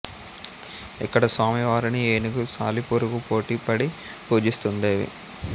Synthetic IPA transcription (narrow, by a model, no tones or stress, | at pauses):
ḭkːɐɽɐsaːmiʋaːɾinieːniɡusaːlipuɾuɡupo̞ːʈiːpɐɽi | puːd͡ʒist̪uɳɖe̞ːʋḭ